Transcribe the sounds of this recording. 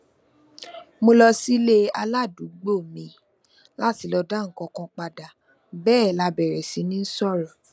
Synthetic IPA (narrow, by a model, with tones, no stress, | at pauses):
mo˧lɔ˧si˦le˦a˧la˦˨du˨˦ɡ͡bo˦˨mĩ˧˦ | la˦ti˧lɔ˧da˦˨ŋ̩˨kɔ̃˧kɔ̃˧k͡pa˧da˨ | bɛː˦˨la˧bɛ˨ɾɛ˨si˨˦nĩ˦n̩˦sɔ˦˨ɾɔ˨